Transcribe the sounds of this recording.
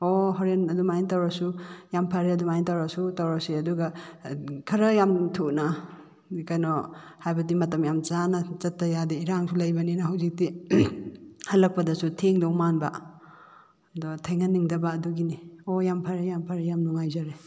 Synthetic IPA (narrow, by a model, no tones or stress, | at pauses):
ɔɦɔɾenɐdumajntawɾɐsujampʰaɾeɐdumajntawɾɐsutawɾasiɐduɡɐ | kʰɐɾɐjamtʰuk̚na | kajnɔhajbɐdimɐtɐmjamt͡ʃanɐt͡ʃɐtːɐjadɐiɾaŋsʰulɐjbɐninɐɦawzik̚di | hɐlɐk̚pɐdɐsutʰeŋdɔwmanbɐ̰ | dɔtʰejŋaniŋdɐbaːduɡiniojampʰaɾejampʰaɾejamnuŋajzaɾe